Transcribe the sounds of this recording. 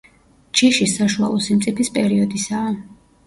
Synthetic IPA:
t͡ʃʰiʃisaʃua̰lˠɔsimt̪sʼipʰispʼɛɾiɔd̪isaː

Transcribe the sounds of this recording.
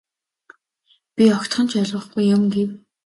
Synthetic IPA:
pʲiɔkt̪χɞ̆nt͡ɕʰɔɮʁə̆χɡujːʊmɡew

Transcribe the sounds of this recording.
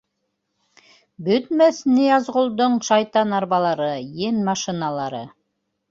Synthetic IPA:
bɵt̪mæsnijɑzʁŏlˠd̪oɴʃɑjt̪ɑnɑɾbɑlˠɑɾɤjenmɑʃinɑlˠɑɾə

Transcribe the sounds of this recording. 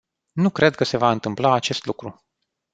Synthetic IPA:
nukɾʔe̞d̪̚kəse̞vaɨnt̪ɨmplaːt͡ʃe̞st̪lukɾu

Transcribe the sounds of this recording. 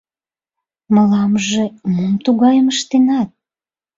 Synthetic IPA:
məlɑmʒemomt̪uɣɑjəməʃt̪enɑt̪̚

